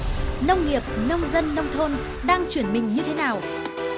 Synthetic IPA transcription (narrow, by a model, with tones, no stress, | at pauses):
nə˧wŋ͡mŋi˨˩əp̚nə˧wŋ͡mzə˧nːə˧wŋ͡mt̪ʰo˧n | ɗaː˧ŋt͡ɕwi˧˩ənmï˨˩ŋ̟ɲɨ˧t̪ʰe˨˦naː˨˩w